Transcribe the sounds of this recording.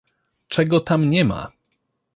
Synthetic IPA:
t͡ʂɛɡɔt̪amɲɛma̰

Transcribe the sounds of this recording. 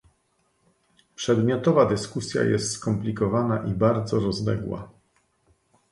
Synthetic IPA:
pʂɛd̪mʲjɔt̪ɔvad̪ɘskusʲja̰jɛ̰st̪skɔmplʲikɔvanaʔibaɾd̪zɔɾɔzlɛ̰ɡwa̰

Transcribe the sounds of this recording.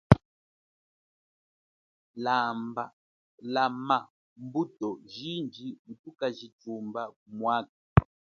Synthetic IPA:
lamba | lama | mbutɔʒind͡ʒimutukaʒitumbaumwak̚ḁ

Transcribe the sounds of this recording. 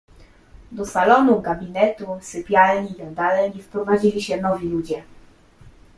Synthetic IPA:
d̪ɔsalɔnuɡabʲinɛt̪usɘpʲjalɲiad̪alɛɲifpɾɔvad͡ʑilʲiɕɛnɔvʲilud͡ʑɛ

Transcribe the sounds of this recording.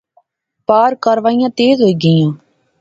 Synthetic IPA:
paːɾkəɾʋaːijãːt̪eːzɦoiːɡəjãː

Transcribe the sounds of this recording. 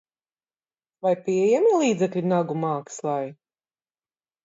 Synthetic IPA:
vajpiɛjɛmilˠiːd̪zɛklʲinaɡumaːkslˠaj

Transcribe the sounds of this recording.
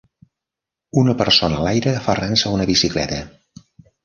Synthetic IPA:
unəpəɾsonəlajɾəfaransəunəβisiklɛ̰t̪ə

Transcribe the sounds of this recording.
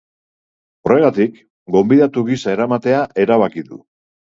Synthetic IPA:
o̞re̞ɣ̞at̪ik | ɡo̞mbiðat̪uɣisae̞ɾamat̪e̞aʔe̞ɾaβ̞akiðṵ

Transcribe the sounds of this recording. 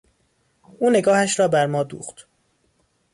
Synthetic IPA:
ʔuːne̞ɡɒːhæʃɾɒːbæɾmɒːd̪ṵːxt̪

